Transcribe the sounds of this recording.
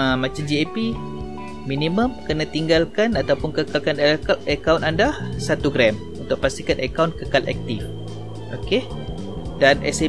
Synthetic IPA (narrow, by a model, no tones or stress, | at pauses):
əmãt͡ʃamd͡ʒiepi | miniməmkənat̪iŋɡalkanat̪awpʊnkəkalkanəkawnandahsat̪uɡɾɛm | unt̪ʊʔ̚past̪ikanakawnkəkalʔɛ̰k̚t̪if | ʔoke | danɛ̰se